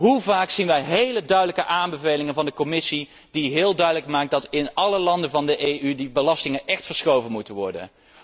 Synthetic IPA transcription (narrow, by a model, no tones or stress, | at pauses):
ɦuvaːksinʋɛjɦejlədœɥdələkəʔaːmbəvejlɪŋənvɑndəkomɪsi | diɦɪːlˠdœɥdələkmaːk̚dɑtɪnɑləlɑndənvɑndəʔejʔydibəlɑstɪŋənʔɛχtfəɹsχowvənmutənʋɔ̰ɹdə̰n